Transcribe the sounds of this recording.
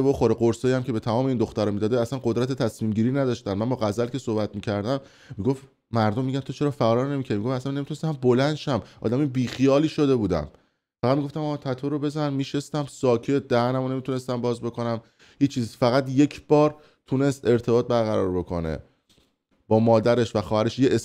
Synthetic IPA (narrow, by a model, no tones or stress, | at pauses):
ebo̞xo̞ɾeɢoɾsɑːjæmcʰe̞be̞t̪ʰæmɒːme̞ind̪oxt̪æɾɔːmiːd̪ɒːd̪eæsænɢod̪ɾæt̪ʰet̪ʰæsmiːmɟiːɾiːnæd̪ɒːʃt̪æmːænbɒːɣæzælce̞so̞hbæt̪miːcʰæɾd̪æmː | iɡo̞ft̪ | mæɾd̪omːiɟʲænt̪ʰot͡ʃʰe̞ɾɒːfæɒːlɒːɾne̞micʰæɾimiɡofæsænːmit̪unest̪mæmbolænd̪ʃæmʔɒ̰ːd̪æmibiːxijɒːliːʃo̞d̪e̞buːd̪æ̰m | fæɣæd̪miɡo̞ft̪æmɒːt̪ʰæt̪ʰoɾobe̞zænmiːʃest̪æmsɒːcʰe̞t̪̚d̪æhænæmone̞mit̪une̞st̪æmbɒːzbe̞kʰo̞næm | hiːt͡ʃʰːiːzfæɣæd̪je̞cʰb̥ɒːɾ | t̪ʰune̞st̪e̞ɾt̪ʰe̞bɒːt̪̚bæɾɣæɾɒːɾbo̞kʰo̞̰nḛ | b̥ɒːmɒːd̪æɾe̞ʃvæxɒːhæɾe̞ʃjeʔes